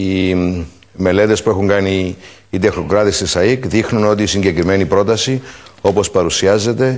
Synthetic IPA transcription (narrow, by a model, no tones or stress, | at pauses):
i | me̞le̞t̪e̞spue̞xuŋɡɐniː | t̪exno̞kɾɐt̪ist̪isɐikðixnuno̞t̪isiɲɟe̞kɾime̞nipɾo̞t̪ɐsio̞po̞spɐɾusiɐze̞t̪e̞